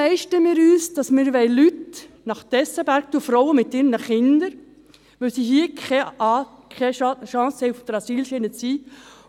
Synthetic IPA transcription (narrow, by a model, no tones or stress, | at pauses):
ɛɪʃtəmɪːɾyːsd̥ɑsmɪːɾʋɛɪlyt | nɑχt̪ɛsəbæɾk̚t̪uəfɾɔwəmɪt̪ːɪːɾnəχɪndəɾ | ʋœsiːɦiːə | kʰɛʃɑ̃shɛɪfd̥əɾɑsiːlʃenət͡siː